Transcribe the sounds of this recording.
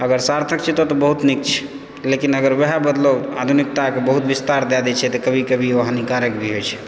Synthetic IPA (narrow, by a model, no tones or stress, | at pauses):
əɡəɾsaɾt̪ʰək̚t͡ʃʰɛt̪ot̪ɔbəɦut̪nik̚t͡ʃʰɛ̥ | lekinəɡəɾʋɛɦabəd̪ləad̪ʱunik̚t̪akebəɦut̪ʋist̪aɾd̪ɛd̪ɛt͡ʃʰɛt̪ɔkəbʱikəbʱioɦanikaɾəkbʱiɦojt͡ʃʰɛ̥